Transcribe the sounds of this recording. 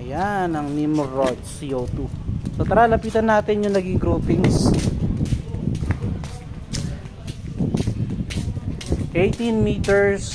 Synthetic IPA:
ɐjanɐŋnimoɾod̪̚siʔowt̪usot̪ɐɾaːlɐpiːt̪ɐnːaːt̪ɪnjʊŋnɐɡiɡɾuːpɪŋs | ʔejt̪inmiːt̪ɛɹs

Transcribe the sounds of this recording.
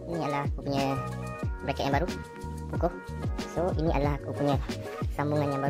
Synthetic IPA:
iniadalaɦakupuɲə | bəɾekat̪ʔjãŋ̃mbaɾu | pukoh | soiniʔa̰dalaɦakupuɲə̃ | sambuŋanjaŋbaɾ

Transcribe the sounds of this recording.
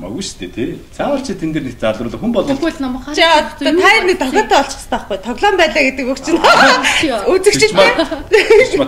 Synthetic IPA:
mɔ̰ɣuʃt̪ʰet̪ʰet͡sʰawə̆r̥t͡ɕʰit̪ʰent̪ɘrnitt͡saɮrʊːɮə̆xumpɔɮɞɮnɔm̆t͡ɕat̪ʰairnik̚t̪ʰɔɣʲɔːt̪æːɔɬt͡ɕɪ̥̆st̪ʰaːχɡujt̪ʰɔɣɮɔːmpæːɮaːɡet̪ɘ̆kɵkt͡ɕʰɪ̆nɔ | ut͡sɘ̆kt͡ɕʰɪ̆ɬt̪ːe

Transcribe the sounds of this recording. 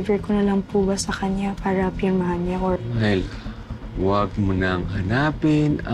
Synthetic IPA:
vɛɹkonɐlaŋpubasɐkɐɲjapaːɾɐpɪɾmɐhanɲaʔoahɪl | waɡ̚mʊnaŋhɐnaːpɪnɐ

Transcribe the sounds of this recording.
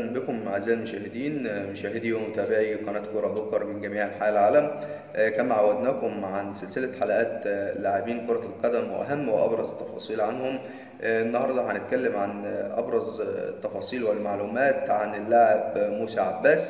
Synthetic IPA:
nbekomːaʕezːæːjmoʃæːhed̪iːnmoʃæːhed̪iwemot̪æːbeʕiqæːnæːt̪koɾˤɑd̪okɑɾˤmɪnɡæmiːʕelħaːʔælʕaːlæm | kænmːæʕawæd̪næːkomʕanselselæħalæʔæːt̪laʕebiːnkoɾˤɑlqɑd̪æmwḛʔæ̰ɦæmːwḛʔɑ̰bɾˤɑzˤet̪ːɑfɑ̰ːsˤiːlʕanhom | ʔenːɑhɑɾˤd̪ˤɑħænet̪̚kælːæmʕanʔɑ̰bɾˤɑzḛt̪ːɑfɑːsˤiːlwælːmaʕluːmæːt̪ʕanelːaʕebmuːsæʕabːæːs

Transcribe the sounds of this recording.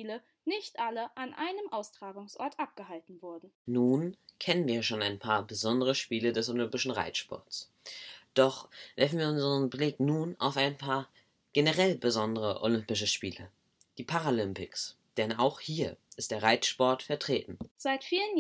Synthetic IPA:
lə | nɪçtʔaləʔanʔaɪnəmʔaʊstʁ̥aːɡʊŋsʔɔ̰ɐtʔap̚ɡ̥əhaltn̩vʊɐdn̩nuːnkʰɛnənviːɐʃoːnaɪnpʰaːɐbəzɔndəʁ̞əʃpiːlədɛsolʏmpɪʃn̩ʁa̰ɪt͡sʃpɔ̰ɐts | d̥ɔχv̥ɛɐfn̩viːɐʊnzəʁənblɪknuːna̰ʊfaɪnpʰaːɐ | ɡ̥enəʁɛlbəzɔndəʁəʔo̰lʏmpɪʃ̬əʃpiːlə | d̥iːpʰaʁalʏmpɪks | d̥ɛnaʊxhiːɐʔɪstd̥eːɐʁaɪt͡sʃpɔɐtfɛɐtʁ̥eːtn̩z̥aɪtfiːlən

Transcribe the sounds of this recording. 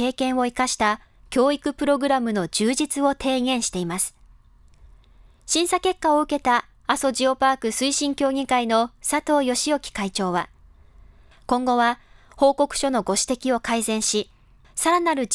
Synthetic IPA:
e̞ːkẽ̞ɰ̃o̞ikaɕi̥t̪a | kʲo̞ːikɯ̟pɯ̟ɾo̞ɡɯ̟ɾamɯ̟no̞d͡ʑɨːʑit͡sɨo̞t̪ʰe̞ːɡẽ̞ɰ̃ɕi̥t̪e̞imasɨ̥ | ɕĩɰ̃sake̞kːao̞ɯ̟ke̞t̪aː | so̞ʑio̞paːkɯ̟sɨiɕĩŋkʲo̞ːɡʲĩkaino̞sat̪o̞ːjo̞ɕijo̞kʲi̥kait͡ɕo̞ːβa | kõ̞ŋɡo̞βa | ho̞ːko̞kɯ̟̥ɕo̞no̞ɡo̞ɕi̥t̪e̞kʲio̞kaizẽ̞ɰ̃ɕi | saɾanaɾɯ̟

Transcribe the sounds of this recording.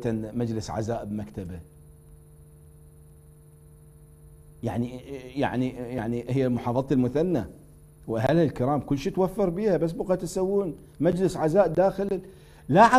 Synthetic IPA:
t̪anmad͡ʒlɪsʕa̰zaːʔbmakt̪aba | jaʕnija̰ʕnijaʕnihɪjːalmʊħɑːfˤɑðˤɑt̪ɪlmʊθanːa | wʔaɦalhɪlkɪɾaːmkʊlːʃiːt̪wafːɨɾbiːhabas̬ːbʊqɑt̪asawːuːn | mad͡ʒlɪsʕazaːʔd̪aːxɪl | laʕa

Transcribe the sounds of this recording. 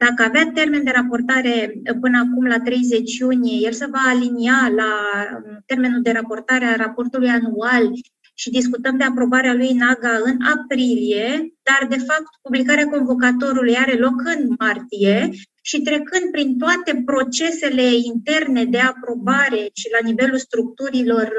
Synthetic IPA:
d̪̥akəaveat̪e̞rme̞nd̪e̞ɾapo̞rt̪aɾe̞pɨnəakumlat̪ɾe̞jze̞t͡ʃjunije̞je̞lsəvaːliniala | t̪e̞rmenuld̪e̞ɾapo̞rt̪aɾearapo̞rt̪ulujanual | ʃid̪iskut̪əmd̪e̞apɾo̞baɾealujnaɡaɨnapɾilije̞d̪̥ard̪e̞fap̚t̪̚publikaɾeako̞nvo̞k̬at̪o̞ɾulujaɾe̞lo̞kɨnmart̪ije̞ | ʃit̪ɾe̞kɨnd̪̚pɾint̪oat̪e̞pɾo̞t͡ʃe̞se̞le̞int̪e̞rne̞d̪e̞apɾo̞baɾe̞ʃilanive̞lulst̪ɾuk̚t̪uɾilo̞r

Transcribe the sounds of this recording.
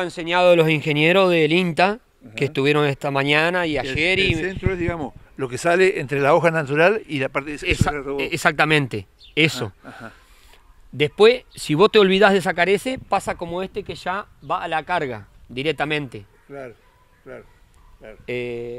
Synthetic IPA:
aenseɲjaðolo̞siŋxe̞njeɾo̞zðelint̪a | keːht̪uβje̞ɾo̞neht̪amaɲanaiaʒeɾient̪ɾeðiɣamolokesaleʔent̪ɾelaoxanat̪uɾalilapaɾt̪esaeksak̚t̪amẽ̞nt̪e | eso̞̰ | d̪ehpwessiβo̞st̪eo̞lβiðaɦðes̬akaɾesepasako̞moest̪ekeʒa | βaʔːlakaɾɣa̰d̪iɾek̚t̪amẽnt̪e | laɾ | a | e

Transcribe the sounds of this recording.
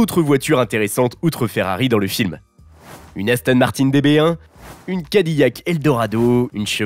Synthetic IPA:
ot̪χəvwat̪yʁɛ̃t̪eʁesɑ̃t̪ut̪χəfɛʁa̰ʁid̪ɑ̃ləfilm | ynast̪anmaʁt̪ind̪ebeɛ̃ | ynkad̪ijakɛld̪ɔʁad̪oynʃə

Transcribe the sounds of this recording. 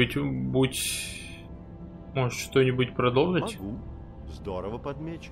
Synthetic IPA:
tʲbutʲ | moʐɨt̪ʃt̪onʲɪbʊtʲpɾɐd̪olˠʐətʲɡ | zd̪oɾəvəpɐd̪mʲet͡ɕ

